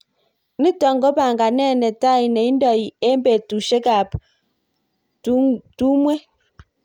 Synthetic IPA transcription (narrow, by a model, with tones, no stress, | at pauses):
ni˦tɔ˨ŋɡɔ˦ba˨ŋɡa˨nɛ˦˨nɛ˨ta˦˨i˨nɛ˨i˦ndɔ˨i˨e˦mbe˨tu˨ʃe˦ka˨p | tu˦mwe˦